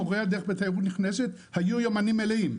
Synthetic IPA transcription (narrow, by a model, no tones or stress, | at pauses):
oʁead̪eχbet̪ajʁut̪niχneset̪ | hajujomanimelehim